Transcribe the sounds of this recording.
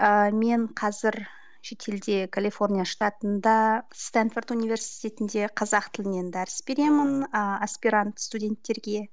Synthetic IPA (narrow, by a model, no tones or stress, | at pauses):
əme̞ɴqʰɑzɪɾ | ʃe̞t̪ʰe̞ld̪e̞kʰalʲˠijfo̞rnʲijaʂt̪ɑt̪ənd̪ɑst̪anfort̪univʲe̞ɾsi̥t̪ʲe̞t̪ɪnd̪e̞qʰɑzɑq̚t̪ʰɪlɪne̞nd̪ɑɾəsbe̞ɾe̞mɪnəaspiɾant̪st̪udʲe̞nt̪ːe̞ɾɡʲe̞